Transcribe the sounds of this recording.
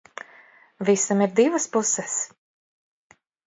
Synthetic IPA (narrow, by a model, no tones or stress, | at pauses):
visamiɾd̪ivəspusɛs